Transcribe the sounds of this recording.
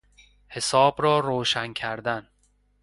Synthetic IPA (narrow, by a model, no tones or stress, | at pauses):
he̞sɒːbɾɒːɾoːʃæncʰæɾd̪æn